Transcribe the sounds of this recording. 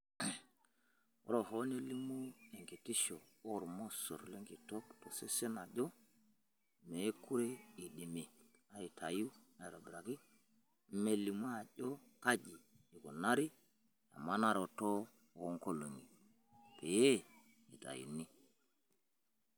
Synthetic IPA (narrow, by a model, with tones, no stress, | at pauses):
o̰˦ɾo˨ɦo˦ne˦li˦mu˦e˨ŋke˨ti˦ʃo˨o˦ɾmo˦so̰˨ɾle˦ŋɡi˨to˦kto˨se˦se˦na˨ʄo˦ | me˨˦ku˦ɾe˦i˨ɗe˨me˨ | a˨i˨tʰa˨ju˦e˨ɾo˨bɾa˨ki˦ | me˨li˨mu˦a˨ʄo˦ka˦d͡ʒiː˨ | ku˨na˦ɾi˦ | a̰˨mːa˦na˦ɾo˨to˦ | o˨˦ŋko˦lo˨ŋi˨ | pe˨je˦ | i˨ta̰˨jṵ˨ni˦